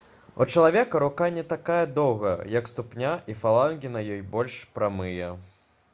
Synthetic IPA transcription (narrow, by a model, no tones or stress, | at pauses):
ut͡ʂɐlˠavʲɛkɐɾukanʲɛt̪akajɐd̪ɔwɣɐ̰jɐkst̪upnʲaʔifalˠanɡʲinɐjɔjbɔlʲʂpɾamɨjɛ